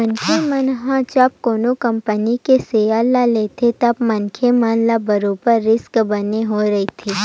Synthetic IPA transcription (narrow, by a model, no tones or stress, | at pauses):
mənkʰemənɦãt͡ʃɐp̚koːnokɐ̃mpənikeseːalaleːt̪ʰet̪ɐbmənkʰemɐnlabɐɾoːpəɾːɪskbɐneɦoɾɐit̪ʰeː